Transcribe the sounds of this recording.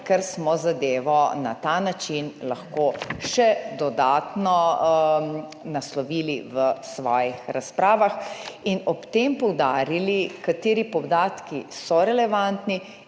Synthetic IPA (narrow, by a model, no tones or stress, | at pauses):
kɛɾsmɔzad̪eːʋɔna̰t̪anat͡ʃinlaxkoʃɛd̪ɔd̪aːt̪nɔ | naslɔʋiːliʋəsʋɔːjixɾaspɾaːʋaxinɔpt̪empɔwd̪aːɾilikat̪eːɾipɔd̪aːt̪kisɔɾɛlɛʋant̪ni